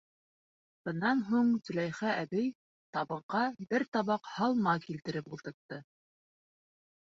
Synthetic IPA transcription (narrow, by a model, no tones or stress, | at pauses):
b̥ɤ̆nːɑnɦuɴt̪ɵ̆læjχæʔæbɘj | t̪ɑβbɤ̆qɑbɘɾt̪ɑβɑqhɑlˠmɑkilt̪ɘ̆ɾɘpulˠt̪ɤ̆ɾt̪ːɤ